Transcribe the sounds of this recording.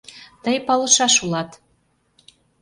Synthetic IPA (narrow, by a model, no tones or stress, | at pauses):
t̪əjpɑlɤ̆ʃɑʃulɑt̪